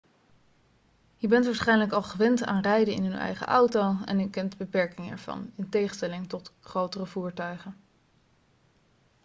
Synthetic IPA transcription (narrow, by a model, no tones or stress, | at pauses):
jəbɛntʋaɹsχɛjnələkɑlˠχəʋɛnta̰ːnrɛjdəɪ̰nɦɵnɛ̰jχə̰ʔɑwtowɛ̰nykɛntbəpɛɹkɪŋəɛ̰ɹv̥ɑ̰nɪntejχənstɛlɪŋtɔtχrowtərəvuːɹtœɥχən